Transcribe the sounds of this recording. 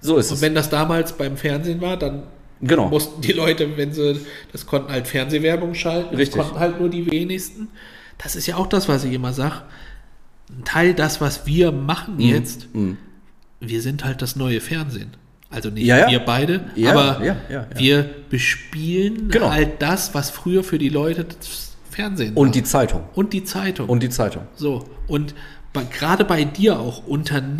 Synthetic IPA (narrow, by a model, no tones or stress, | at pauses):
zoɪsʊntv̥ɛndasd̥aːmaːlsb̥aɪmfɛɐnzeːnvaːɐdan | ɡ̥əna̰ʊmʊstn̩d̥iːlɔʏtəvɛnzəd̥askʰɔntn̩haltfɛɐnzeːvɛɐbʊŋʃaltn̩ɪstkɔntn̩haltnuːɐdiːveːnɪçstn̩ | d̥asɪstjaːaʊxd̥asv̥asɪçʔɪmɐzaːɡə | ntʰaɪldasv̥asv̥iːɐmaχn̩jɛt͡st | viːɐzɪnthalt̚d̥asnɔʏəfɛɐnzḛːn | ʔalzonɪçviːɐbaɪɾəʔaːbɐaaviːɐb̥əʃpiːlənɡənhalt̚d̥asv̥asfʁ̥yːɐfyːɐdiːlɔʏtəd̥as | fɛɐnzeːnʊnd̥iːt͡saɪtʰʊ̰ŋʔʊnt̚d̥iːt͡saɪtʰʊŋʊnd̥iːt͡saɪtʊ̰ŋzoːʔʊnt | b̥aɪɡ̥əʁaːdəbaɪdiːɐaʊxʔʊntʰɐn